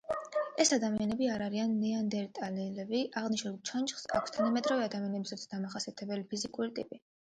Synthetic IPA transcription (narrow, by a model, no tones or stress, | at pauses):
ɛsad̪amianɛbiaɾaɾianːɛand̪ɛɾit̪ʼalilɛbiʔaʁniʃnult͡ʃʰant͡ʃʼχsa̰kʰʷst̪ʰanamɛt̪ʼɾavɛad̪amianɛbisat̪sʰd̪amaχasiat̪ʰɛbɛlipʰizikʼuɾit̪ʼḭpʼi